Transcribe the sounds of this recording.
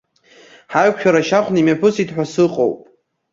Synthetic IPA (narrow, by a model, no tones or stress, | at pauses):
ħaɥkʷʰʃᶣaɾaʃaχʷʰnimapʰɨsitħʷᶣasɨqʼo̰wpʼ